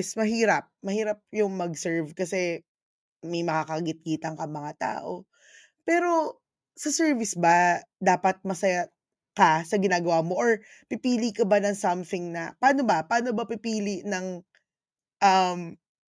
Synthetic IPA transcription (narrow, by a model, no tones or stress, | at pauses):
smɐɦiːɾɐp̚mɐhiːɾɐp̚jʊŋmɐɡsɛɹvkɐsɛ | mɐjmɐkaːkɐɡɪt̪̚ɡiːt̪ɐŋkɐŋmɐŋat̪a̰ːʔo | pɛːɾo̞ | sɐsɛɹvɪsbɐd̪aːpɐt̪̚mɐsɐja | kɐsɐɡɪnaːɡɐwaːmo̞ʔoɹ | pɪpiːlikɐbanɐŋsɐmθɪŋnɐ̰paːno̞bɐpaːno̞bɐpɪpiːlɪʔnɐŋ | ʔɐm